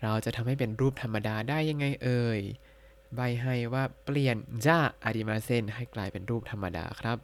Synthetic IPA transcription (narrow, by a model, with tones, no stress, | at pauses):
ɾa˧wt͡ɕa˨˩ʔt̪ʰa˧mha˥˩jpe˨nɾuː˥˩p̚t̪ʰa˧mːa˧daː˧daː˥˩jːa˧ŋːa˧jʔɤː˧j | ba˧˩jɦa˥˩jwaː˥˩pli˨˩ənt͡ɕaː˥˩ʔa̰˧diː˧˩maː˧se˥˩nɦa˥˩jklaː˧˩jpe˨nɾuː˥˩p̚t̪ʰa˧mːa˧da̰ː˧kʰɾa˦˥p̚